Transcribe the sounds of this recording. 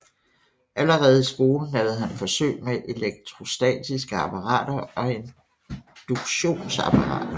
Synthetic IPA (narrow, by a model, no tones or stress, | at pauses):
ʔæləʁɛːð̞̩ˠisɡ̥o̝ːln̩lɛʊð̩ˠɦænfɒ̽sø̰ːɪmeʔe̝leɡ̥̚t͡sʰʁo̝sd̥ɛ̰ːd̥isɡ̥əɑ̈pʰɑ̈ʁɑ̰̈ːd̥ɐɒ̽e̝n | d̥uɡ̥ɕo̝̰ːnsɑ̈pʰɑ̈ʁɑ̰̈ːd̥ɐ